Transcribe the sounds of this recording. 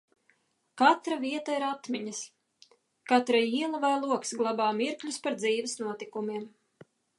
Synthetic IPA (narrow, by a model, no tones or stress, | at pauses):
kat̪ɾaviɛt̪aiɾat̪mʲiɲɐs | kat̪ɾaiːlˠavajlˠuɔksɡlˠabaːmiɾklʎʲuspaɾd̪ziːvɪsnuɔt̪ikumiɛm